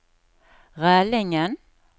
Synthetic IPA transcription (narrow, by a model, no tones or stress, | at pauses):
ʁæːlɪŋən